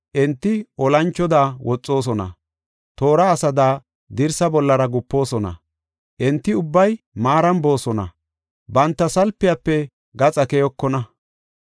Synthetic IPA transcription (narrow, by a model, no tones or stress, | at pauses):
ʔɛnt̪ːɪʔɔlɐnt͡ʃːɔd̪aːwɔt͡sʼːo̞ːs̬ɔnɐ̰ | t̪o̞ːɾɐːsɐd̪aː | d̪ɪɾsɐbɔlːɐɾɐɡʊpːo̞ːsɔnɐ̰ | ʔɛnt̪ːɪʊbːɐj | maːɾɐnbo̞ːsɔnɐ̰ | bɐnt̪ːɐsɐlpːɪjɐpːɛ | ɡɐt͡sʼɐkɛjɔkːɔnɐ